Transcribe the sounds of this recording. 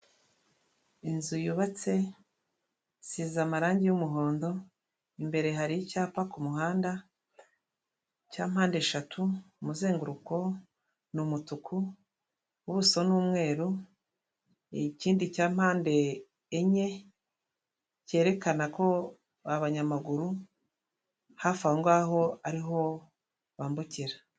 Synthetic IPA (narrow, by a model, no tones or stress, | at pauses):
inzujuβat͡se̞ | sizamaɾaːɲɟijumuɦo̞ːndo̞ | imbe̞ɾe̞ɦaɾicaːpakumuhaːnda | caːm̥haːnde̞ʃatʰu | muze̞ːŋɡuɾuko̞ | numutukʰuː | βuso̞nuːmŋe̞ːɾu | ciːndicaːm̥haːnde̞ː | ɲe̞ | ce̞ːɾe̞kanako̞ | aβaɲamaɡuɾu | hafahoŋɡaːɦo̞aɾiɦo̞ | βaːmbuciɾa